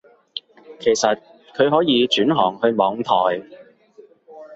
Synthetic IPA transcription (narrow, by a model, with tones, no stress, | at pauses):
kʰe˨˩jsɐ˨t̚ | kʰɵ˨˧ɥɦɔː˨˥jiː˨˧t͡ʃyː˨˥nɦɔː˨˩ŋhɵ˧ɥmɔː˨˧ŋt̪ʰɔː˨˩j